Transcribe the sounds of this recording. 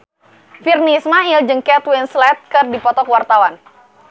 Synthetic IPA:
firnismaild͡ʒəŋkɛt̪winslɛt̪̚kɨrdipɔt̪ɔkwart̪awan

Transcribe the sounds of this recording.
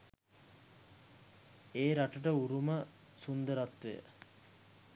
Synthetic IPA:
eːɾaʈəʈəuɾumə | sund̪əɾat̪ʋejə̰

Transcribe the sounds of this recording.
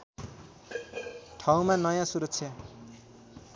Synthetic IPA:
ʈʰaw̃manʌjãsuɾʌk̚t͡sʰjʌ

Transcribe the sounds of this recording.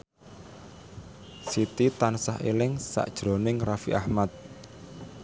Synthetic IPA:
sit̪it̪ansahḛlɪŋsa̰ʔd̥ʒ̥ɾonɪŋrafiʔahmat̪̚

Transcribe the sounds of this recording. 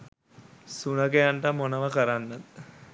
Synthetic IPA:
sunəɡejaɳʈəmonəʋəkəɾanːat̪

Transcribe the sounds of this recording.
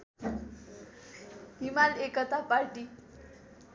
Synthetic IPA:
imalekət̪apaɾʈi

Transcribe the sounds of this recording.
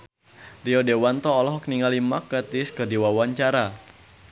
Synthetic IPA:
riɔdewant̪ɔːlɔɦɔk̚niŋalimakːət̪ɪskərdiwawaɲt͡ʃaɾa

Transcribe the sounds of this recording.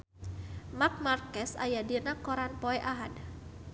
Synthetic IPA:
mak̚markɛsa̰jadinakɔɾanpɔɛʔaɦad

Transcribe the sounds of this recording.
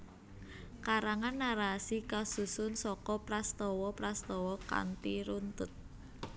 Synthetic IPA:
kaɾaŋanːaɾasikasusʊnsɔkɔpɾast̪ɔwɔpɾast̪ɔwɔka̰nt̪iɾunt̪ʊt̪̚

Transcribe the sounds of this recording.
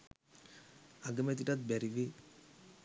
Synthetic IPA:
aɡəmet̪̬iʈat̪̚bɛɾiʋe

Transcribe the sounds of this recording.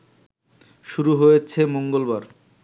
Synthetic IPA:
ʃuɾuɦojet͡ɕʰemoŋɡolbaɾ

